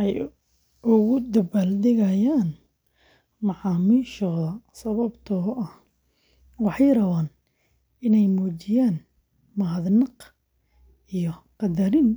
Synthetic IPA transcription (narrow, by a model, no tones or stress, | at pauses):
ʔɛj | ʔʊɣʊd̪ɐbɐld̪ɪɣɐjaːn | mɑʕɑːmiːʃɔːðɐsɐβɐbt̪ʰɔʔɐh | wɑħɑjrɐβaːn | ɪnɛjmɔːt͡ʃɪjaːn | mɐɦɐðnɑq | ijɔqɑd̪ɐɾɪn